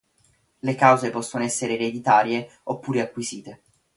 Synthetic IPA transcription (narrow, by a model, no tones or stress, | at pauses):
lekawzepɔsːonoɛsːeɾeːɾed̪it̪aːɾje | opːuːɾeakːwiziːt̪e